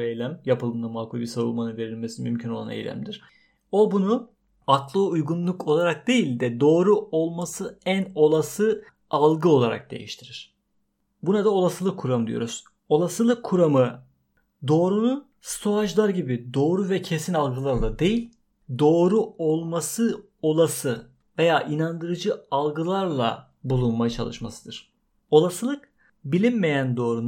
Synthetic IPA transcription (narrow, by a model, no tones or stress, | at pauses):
ejlʲæmjapʰɯlˠɯmd̪amaːkulʲbisaɾṵlˠmanɯnve̞ɾilʲmesinmymcʰyno̞lˠa̰nḛjlʲæ̰md̪iɾ̥ | o̞bunu | aklˠɯujɡunlˠukʰo̞lˠaɾak̚d̪e̞jilʲd̪ɛd̪o̞ːɾuo̞lˠmasɯæno̞lˠasɯ | alˠɡɯo̞lˠaɾa̰k̚d̪e̞̰jḭʃt̪ʰiɾiɾ̝̥ | bunad̪ao̞lˠasɯlˠɯkʰːuɾamd̪ijo̞̰ɾuz̥ | o̞lˠasɯlˠɯkʰːuɾamɯ | d̪o̞ːɾunu | st̪ʰoaʒlˠaɾɟibid̪o̞ːɾuvɛcʰesinalˠɡɯlˠaɾlˠad̪e̞jilʲ | d̪o̞ːɾuo̞lˠmasɯ | o̞lˠasɯ | ve̞jaːʔinand̪ɯɾɯd͡ʒɯalˠɡɯlˠaɾlˠa̰ | bulˠunmajɯt͡ʃʰa̰lˠɯʃma̰sɯd̪ɯɾ̥ | o̞lˠasɯlˠɯk̚ | bilʲinme̞jænd̪o̞ːɾun